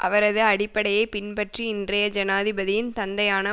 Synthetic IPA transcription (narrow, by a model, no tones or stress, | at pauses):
ʔɐ̰ʋɐɾɐðɯɐɽɪpːɐɽɐjɐɪpɪnpɐʈriɪndrɐjɐd͡ʒɐnaːðɪbɐðɪjɪnt̪ɐnd̪ɐjaːnɐ